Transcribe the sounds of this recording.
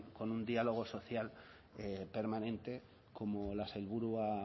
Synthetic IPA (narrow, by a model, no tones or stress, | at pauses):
ko̞nund̪ialo̞ɣ̞o̞so̞θjal | epe̞ɾmãnẽ̞nt̪e | ko̞molaselβuɾua